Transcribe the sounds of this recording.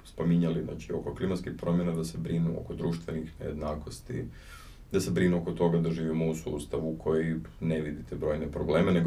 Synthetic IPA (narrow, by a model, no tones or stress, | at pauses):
spomiɲalina̰t͡ʃio̞koklimat̪skixpɾo̞mjenad̪ase̞bɾinuo̰kod̪ɾuːʃt̪ʋe̞nixnejḛd̪naːko̞st̪ḭ | d̪ase̞bɾinuoko̞t̪o̞ɡad̪aʒiːʋimousṵːst̪aʋukʰo̞jineʋid̪it̪ebɾo̞ːjnepɾobleːmeneɡ